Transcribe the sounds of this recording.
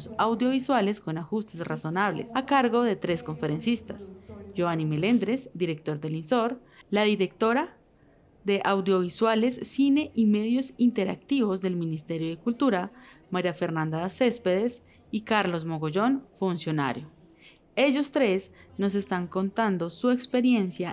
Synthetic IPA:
sawðjo̞β̞iswale̞sko̞naxust̪e̞sraso̞naβle̞̰sakaɾɣo̞ðe̞t̪ɾe̞sko̞ɱfe̞ɾe̞nsist̪asd͡ʒoanime̞le̞nd̪ɾe̞sd̪iɾe̞k̚t̪o̞ɾd̪e̞linso̞ɾ | laðiɾe̞k̚t̪o̞ɾa | ðe̞ʔawd̪jo̞β̞iswale̞sːine̞ʔime̞ðjo̞sint̪e̞ɾa̰k̚t̪iβo̞zðe̞lminist̪e̞ɾjoðekult̪uɾamaɾjafe̞ɾnãnd̪ase̞spe̞ðes | ikaɾlo̞smo̞ɣoʝo̞nfunsjo̞na̰ɾjo | e̞ʝo̞st̪ɾe̞sno̞s̬e̞st̪aŋko̞nt̪and̪o̞sue̞kspe̞ɾje̞nsja

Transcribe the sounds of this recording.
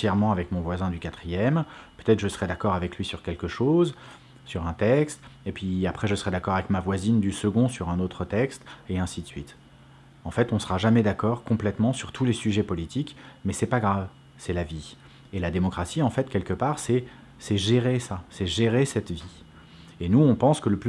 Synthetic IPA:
sjɛʁmɑ̃avɛkmɔ̃vwazɛ̃d̪ykat̪χijɛmpøt̪ɛt̪χʒəsəʁɛd̪akɔʁavɛklɥisyʁkʲɛlkəʃoz | syʁɛ̃t̪ɛkst̪epɥiapχɛʒəsəʁɛd̪akɔʁavɛkmavwazind̪ysəɡɔ̃syʁɛ̃not̪χət̪ɛkst̪eɛ̃sid̪əsɥit̪ | ɑ̃fɛt̪ɔ̃səʁaʒamɛd̪akɔʁkɔ̃plɛt̪mɑ̃syʁt̪ʰulesyʒɛpɔlit̪ʰikmɛsɛpaɡʁav | sɛlavi | elad̪emɔkχasiɑ̃fɛt̪kʲɛlkəpaʁsɛ | sɛʒeʁesasɛʒeʁesɛt̪vi | enuɔ̃pɑ̃skələp

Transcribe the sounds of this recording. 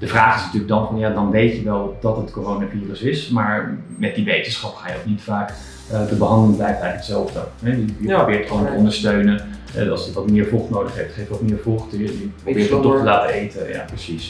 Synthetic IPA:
d̥əvraːχɪsnətyːləɡdɑnvɑnjaːdɑnʋejtəʋɛlˠdɑtətkoːrownaviːrəsɪsmaːɹ | mɛt̚diʋejtənsχɑpχaːjəoknitfaːk | təbəɦɑndələblɛjkɛjətsɛlˠvdəɦɛjəjərobɪːɹtχəʋontəɔndəɹstøɥnəɛ̰ɑ̰lˠsəʋɑtmɪːɹvɔχtnowdəχɦɛftχejftɔtmɪːɹvoχtjəprobɪːɹttːɔχtəlaːtəejtəja̰prəsis

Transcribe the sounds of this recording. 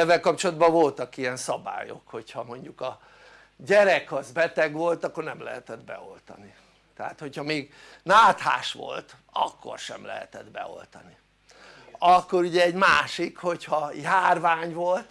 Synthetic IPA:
ɛvːɛlkɒp̚t͡ʃolɒd̪bɒvo̞lt̪ɒkijɛnsɒba̰ːjo̞̰kho̞chɒmo̞ɲɟukɒ | ɟɛɾɛkɒzbɛt̪ɛɡʋo̞lt̪ɒkːo̞rnɛmlɛ̰ɦɛt̪ɛd̪bɛ̰o̞̰lt̪ɒ̰ni | t̪ɛɦa̰ːt̪ho̞chɒmeːɡ | naːt̪ha̰ːʃʋo̰lt̪ | ɒ̰kːo̰rʃɛ̰mlɛ̰ɦɛ̰t̪ɛd̪bɛ̰o̞̰lt̪ɒni | ɒkːo̞ɾuɟɛɛɟmaːʃikho̞chɒjaːrvaːɲvolt̪

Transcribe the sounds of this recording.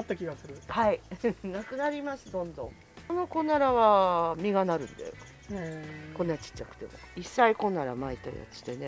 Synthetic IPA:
t̪ːakʲiɡasɨɾɯ̟hainakɯ̟naɾʲimasɨd̪õ̞nd̪õ̞ŋ | ono̞ko̞naɾaβamʲiɡanaɾɯ̟̃nd̪ḛ | kõ̞nːat͡ɕi̥t͡ɕːakɯ̟̥d̪e̞̰mo̰isːaiko̞nːaɾa̰mait̪ːa̰ja̰t͡si̥d̪e̞ne

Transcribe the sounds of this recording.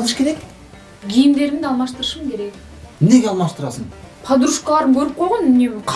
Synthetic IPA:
lˠəʃkʲeɾek | ɡʲijɪmd̪e̞ɾɪmd̪ɑlˠmɑʃt̪əɾəʃəmkʲʰe̞ɾek | neɡʲeɑlˠmɑʃt̪əɾɑsənpʰɑd̪uɾuʃqɑlˠɑɾəmkʲʰɵɾɪp̚qʰojʁɑnnemqʰ

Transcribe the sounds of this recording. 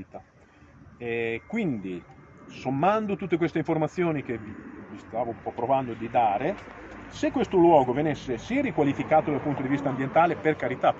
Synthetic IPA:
t̪a | ɛkwind̪isomːand̪ot̪ut̪ːekwest̪eiɱformat̪sːjoːnik̟evivist̪aːvompɔpːɾovand̪od̪id̪aːɾe | sekːwest̪olwɔːɡovenisːesiɛrikwalifikaːt̪od̪alpunt̪od̪ivist̪ambjent̪aːleperkaɾit̪a

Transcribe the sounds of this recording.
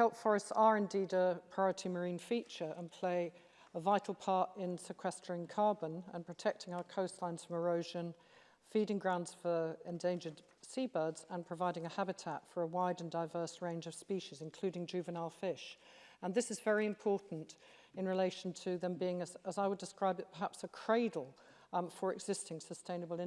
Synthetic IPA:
hɛlˠpfɔɹɨstsəɹɪ̃ndiːdəpʰɹ̥aɪɔɹətʰiməɹĩːnfiˑt͡ʃə˞ə̃npʰl̥eɪ | əvaɪtʰˡl̩ˠpʰɑˑɹtɪ̃nsɪkʰw̥ɛstʰə˞ɪ̃ŋkʰɑːɹbə̃nə̰̃npʰɹ̥ətʰɛk̚tʰɪ̃ŋaʊəkʰəʊstˡlãɪ̃nz̥fɹə̃məɹəʊʒə̃n | fiːɾɪ̃ŋɡɹãʊ̃ndz̥fə˞ɛ̃ndẽɪ̃nd͡ʒəd̥ | sibɜ˞dz̥ə̃npʰɹ̥əvaɪɾɪ̃ŋəhabɨtʰætfə˞əwaɪdə̃ndaɪvɜˑ˞sɹẽɪ̃nd͡ʒʌv̥spiˑʃɪzɨ̃nkʰl̥ʉːɾɪ̃ŋd͡ʒʉːvənaɪlˠfɪʃ | ə̃nðɪsɨzvɛɹiɨ̃mpʰɔˑʔn̩t | ɪ̃nɹɨleɪʃn̩tʰəðə̃mbiɪ̃ŋəzəzaɪwədɨskɹaɪbɨt̚pʰə˞ɦæpsəkʰɹ̥eɪdl̩ˠ | fəɹɨɡz̥ɪstɪ̃ŋsəstʰẽɪ̃nəbəlˠɪ̃

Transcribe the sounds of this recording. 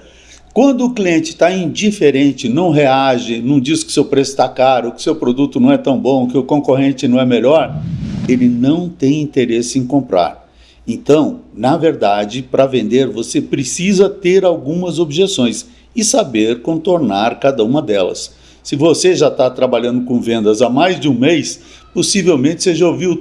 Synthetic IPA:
kwɐ̃nd̪ʊːkliẽnt͡ʃɪ̥t̪aĩnd͡ʒifeɾẽt͡ʃɪnɐ̃w̃ɦeaʒɪnɐ̃d͡ʒisɪ̥kɪʊ̥sewpɾesʊ̥t̪akaɾʊkɪ̥sewpɾod̪ut̪ʊnɐ̃w̃ɛt̪ɐ̃w̃bõkɪʊkõkoɦẽnt͡ʃɪnɐ̃w̃ɛmeʎɔɾelɪnɐ̃w̃t̪ẽj̃ĩnt̪eɾesɪẽj̃kõmpɾa̰ɾ | ẽnt̪ɐ̃w̃nɐveɾd̪ad͡ʒɪpɾɐvẽnd̪eɾvosepɾɪsizɐt̪eɾawɡũmɐzobʒesõj̃s | ɪsabeɾkõt̪oɾnaɾkad̪ɐũmɐd̪ɛlɐ̰sː | ɪvoseʒat̪at̪ɾabaʎɐ̃nd̪ʊkõvẽnd̪ɐzamajzd͡ʒɪũmejs | posivewmẽt͡ʃɪ̥seʒaoviw

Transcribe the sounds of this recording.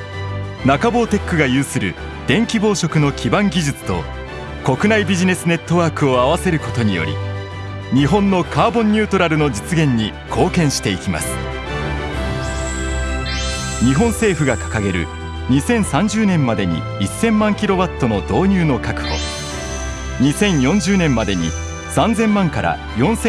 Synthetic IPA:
nakabo̞ːt̪e̞kːɯ̟ɡajɯ̟ːsɨɾɯ̟̰ | d̪̥ẽ̞ŋkʲibo̞ːɕo̞kɯ̟no̞kʲibãŋɡʲiʑɨt͡sɨ̥t̪o̞̰ | ko̞kɯ̟naibʲiʑine̞sɨne̞t̪ːo̞βaːkɯ̟o̞aβase̞ɾɯ̟ko̞t̪o̞ɲ̟ḭjo̞̰ɾʲḭ | ɲ̟iɦõ̞nːo̞kʰaːbõ̞ɲ̟ːɨːt̪o̞ɾaɾɯ̟no̞d͡ʑit͡sɨɡẽ̞ɲ̟ːi | kʰo̞ːkẽ̞ɰ̃ɕi̥t̪e̞ikʲima̰sɨ̥ | ɲ̟iɦõ̞ɰ̃se̞ːɸɯ̟ɡakḁkaɡe̞ɾɯ̟̰ | ɲ̟isẽ̞ɰ̃sãɲ̟d͡ʑɨːnẽ̞mːad̪e̞ɲ̟ḭ | isːẽ̞mːãŋkʲiɾo̞βat̪ːo̞no̞d̪o̞ːɲ̟ɨːno̞kakɯ̟̥ɡo̰ | ɲ̟isẽ̞ɰ̃jõ̞ɲ̟d͡ʑɨːnẽ̞mːad̪e̞ɲ̟ḭ | sãnd͡zẽ̞mːãŋkaɾa̰ | jõ̞ɰ̃se

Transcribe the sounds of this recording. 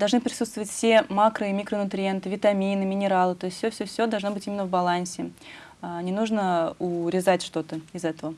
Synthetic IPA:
d̪ɐlˠʐnɨpɾʲɪsut̪st̪vəvətʲfsʲe̞makɾəimʲikɾənʊt̪ɾʲɪent̪ɨvʲɪt̪ɐmʲinɨmʲɪnʲɪɾalˠɨt̪o̞ɪsʲt̪ʲːsʲofsʲɵfsʲod̪ɐlˠʐno̞bɨtʲimʲɪnːəvbɐlˠanʲsʲɪ | anʲɪnuʐnəʊɾʲɪzatʲʂt̪o̞t̪əɪzɛt̪əvə

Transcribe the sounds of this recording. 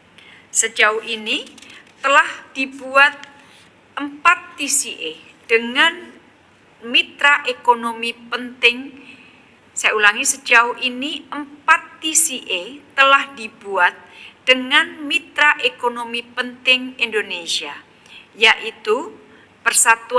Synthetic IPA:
səd͡ʒaʊinit̪əlahd̥ibuat̪̚ | ʔəmpat̪ːisiʔe | d̥əŋan | mit̪ɾaʔekonomipənt̪ɪŋ | sajaulaŋisəd͡ʒaʊɦiniʔəmpat̪ːisiʔet̪əlahdibuat̪̚d̥əŋanmit̪ɾaʔekonomipənt̪ɪŋindonesia̰ | jaʔit̪u | pərsat̪u

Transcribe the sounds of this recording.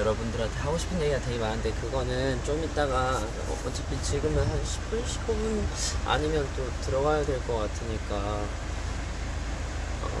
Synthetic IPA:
jʌɾʌbundɯɾantʰeɦaɡoɕʰi̥pʰɯnjeɡiɡate̞ɡemaɾɯnde̞kɯɡʌnɯnt͡ɕomit̚t͈aɡa̰ | ʌt͡ɕ͈epʰit͡ɕiɡɯmɯɦanɕʰi̥pʰɯɭɕʰi̥pʰɯɡɯna̰ɲimjʌnt͈otɯɾʌɡajadwe̞ɭk͈ʌk͈atʰɯɲik͈a | ʌ̰

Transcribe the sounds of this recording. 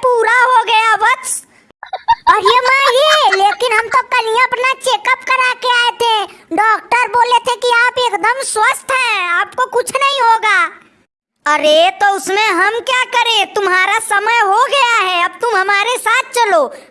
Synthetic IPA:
puːɾaɦoɡɐjabətt͡ʃ | əɾjəmãjeleːkɪnɦəmt̪okəlijãɐpnat͡ʃeːkəp̚kəɾakeaːet̪ʰẽɖɔːk̚ʈəɾboːlet̪ʰɦẽkiaːpeːkd̪əmswəst̪ʰɦɛ̃aːpkokʊt͡ʃʰnɐɦĩɦoɡaː | əɾet̪oʊsmẽɦɐmkjakəɾẽt̪ʊmɦaːɾasəməjɦoɡɐjaɦɛɐb̚t̪ʊmɦɐmaːɾesaːt̪̚ʰt͡ʃəloː

